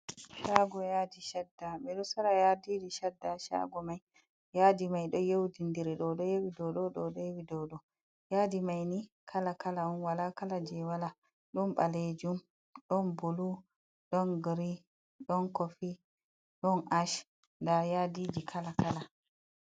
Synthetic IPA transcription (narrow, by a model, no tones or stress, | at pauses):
ʃaɡɔjaːdiʃadːamɛɗɔsɔɾajadiːd͡ʒiʃadːaʃa̰ɡɔmaj | jadimajɗɔjewdindiɾɛɗɔɗɔjewidɔɗɔɗɔɗɔjewidɔɗɔ | jaːdimajni | kʰalakalaɔnwalakalad͡ʒɛwala | ɗɔnɓaled͡ʒum | ɗɔnbolu | ɗɔnɡɾi | ɗɔnkofi | ɗɔnʔaʃ | ndajadid͡ʒikʰalakala